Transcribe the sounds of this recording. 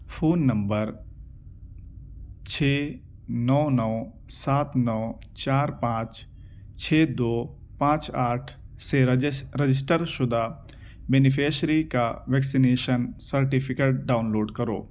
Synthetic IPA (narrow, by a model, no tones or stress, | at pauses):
pʰoːnːə̃mbəɾ | t͡ʃʰeː | nɔːnɔː | saːt̪nɔː | t͡ʃaːɾpãːt͡ʃ | t͡ʃʰeːd̪oː | pãːt͡ʃaːʈʰseɾed͡ʒɪs̬ʈəɾʃʊd̪ʱa | beːnɪpʰeːʃɾikaʋɛːksineːʃənsəɾʈipʰɪkeʈ̚ɖaːʊnloːɖkɐɾo̰ː